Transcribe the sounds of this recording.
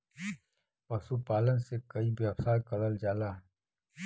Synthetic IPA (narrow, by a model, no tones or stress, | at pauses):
pɐsupaːlənsekɐibewsaːkɐɽəld͡ʒaːlaː